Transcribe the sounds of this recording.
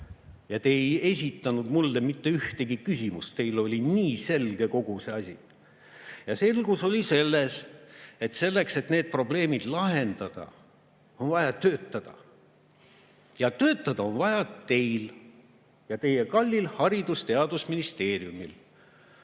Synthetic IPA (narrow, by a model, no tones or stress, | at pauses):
jɑt̪eje̞sʲit̪ːˑɑnud̪̥mulːemit̪ːe̞yht̪eɡikysʲimust̪t̪e̞jlo̞lʲiniːse̞lɡ̥e̞ko̞ɡ̥use̞ɑsʲḭ | jɑse̞lɡ̥uso̞lʲise̞lːe̞se̞t̪se̞lːe̞kse̞t̪neːd̪̥̚pro̞ble̞ːmid̪̥lɑɦe̞nd̪̥ɑd̪̥ɑ̰ | o̞nvɑjɑt̪øːt̪ːˑɑd̪̥ɑ̰ | jɑt̪ø̞ːt̪ːˑɑd̪̥ɑo̞nvɑjɑt̪e̞jl | jɑt̪e̞jekɑlʲːilhɑɾid̪ust̪e̞ɑd̪̥usminist̪e̞ːrijumil